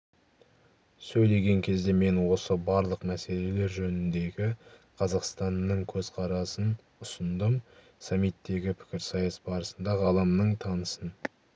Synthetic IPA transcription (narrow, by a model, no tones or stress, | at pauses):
sɵjle̞ɡʲe̞ŋkʲʰe̞zd̪e̞me̞nwo̞səbɑɾlˠəqmæse̞le̞le̞ɾʒɵnɪnd̪e̞ɡʲɪ | qʰɑzɑqst̪ɑnːəɴkʲʰɵzqʰɑɾɑsən | ʊsənd̪əm | sɑmːijt̪ːe̞ɡʲɪpʰɪ̥kʲɪɾsɑjɑsbɑɾəsənd̪ɑʁəɑlˠɑmnəɴt̪ʰɑnəsən